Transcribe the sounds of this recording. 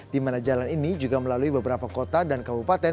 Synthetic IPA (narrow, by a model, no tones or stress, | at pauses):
dimanad͡ʒalaninid͡ʒuɡaməlaluibəbəɾapakot̪adankabupat̪ɛ